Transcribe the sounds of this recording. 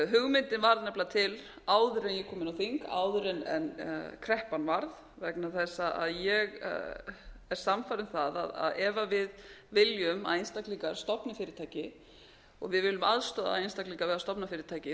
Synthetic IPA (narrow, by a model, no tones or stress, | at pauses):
ɦʏɣmɪnt̪ɪnvaɾðnɛplat̪ʰɪl | aːwðʏɾɛnjɛkʰɔːmɪnawθiŋka̰ːwðʏɾɛnɛ̰nkʰɾɛhpanvaɾð | vɛknaθɛsːaʔa̰ðjɛɣ̰ | ɛɾ̥samfaɾɪnθaða̰ða̰ðɛvavɪðvɪljʏma̰ðinst̪akliŋkaɾ̥st̪ɔpnafɪːɾɪɾt̪ʰaːjcɪ | ɔ̰ɣvɪðvɪlʏma̰ðst̪ɔːða̰ðinst̪akliŋkavɛːðast̪ɔpnafɪːɾɪɾt̪ʰaːjcɪ